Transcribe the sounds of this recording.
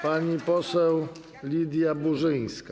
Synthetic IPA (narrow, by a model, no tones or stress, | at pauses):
paɲipɔsɛw | lʲid̪ʲjabuʐɘj̃ska